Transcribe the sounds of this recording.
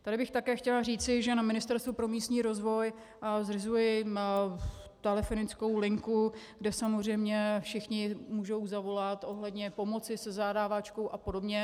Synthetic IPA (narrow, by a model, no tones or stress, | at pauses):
t̪adɪbɪxt̪akɛːxcɛlar̝iːt͡sɪʒɛnamɪnɪst̪ɛɾst̪vupɾo̞miːst̪ɲiːɾo̞zvo̞j | zrɪzujɪ | t̪ɛlɛfo̞nɪt͡sko̞wlɪŋkuɡdɛsamozr̝ɛjmɲɛfʃɪxɲɪmuːʒo̞wzavo̞lat̪ʔo̞ɦlɛdɲɛpo̞mo̞t͡sɪsɛzaːdaːvat͡ʃkowʔapo̞do̞bɲɛ